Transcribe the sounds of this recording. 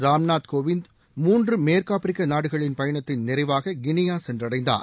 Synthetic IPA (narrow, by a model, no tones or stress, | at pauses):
ɾaːmnaːt̪koːʋɪnd̪ | muːndrɯmeːɾkaːpɪɾɪkːɐnaːɽɯɣɐɭɪnpɐjɐɳɐt̪ːɪnnɪɾɐɪʋaːɣɐɡɪnɪjaːsɛndrɐɽɐɪnd̪a̰ː